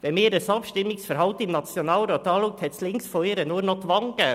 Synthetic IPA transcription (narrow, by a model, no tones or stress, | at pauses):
ʋɛmeːdɛsɑːpʃtɪmːɪsfəɾɦɑlt̪əɪmnɑt͡sjonɑːlɾɔːt̪ɑːluk̚t̪hɛt̪slɪŋsfɔɪɾənuːɾnɔt̪ʋɑŋkə